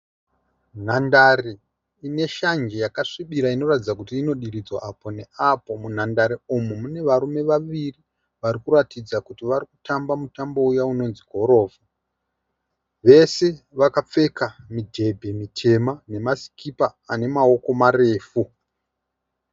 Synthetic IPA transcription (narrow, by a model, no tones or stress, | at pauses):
n̤andare | ine̞ʃand͡ʒejakaʂiɓiɾaino̞ratid͡zakutiːno̞ɗiɾid͡zwaːpo̞ne̞apo̞mun̤andaɾeomumune̞ʋaɾume̞ʋaʋiri | ʋaɾikuɾatid͡zakutiʋaɾikutambamutambo̞ujauno̞nziɡʱo̞ɾo̞ːva | ʋe̞se̞ | ʋakap͡fe̞kamidʱe̞bʱe̞mitʰe̞mane̞masi̥kipaːne̞mao̞ko̞mare̞ːfu